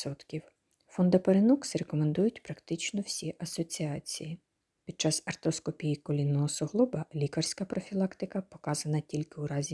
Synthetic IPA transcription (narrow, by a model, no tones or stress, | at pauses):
sɔt̪kʲiw | fɔnd̪ɐpɐɾenuksɾekɔme̞nd̪ujʊtʲpɾɐkt̪ɪt͡ʃnɔwsʲiʔɐsɔt͡sʲiɑt͡sʲiji | pʲid̪̚t͡ʃɑsɐrt̪ɔskɔpʲijikɔlʲinːɔɦɔsɔɦlˠubɐlʲikɐrsʲkɐpɾɔfʲilˠɑkt̪ɪkɐpɔkɑzɐnɐtʲilʲkɪwɾɑzʲi